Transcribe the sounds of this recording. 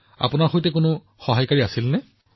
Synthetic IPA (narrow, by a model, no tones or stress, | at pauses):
a̰pʊnaɹxojtɛkʊnʊ | xɔɦajkaɹiasilnɛ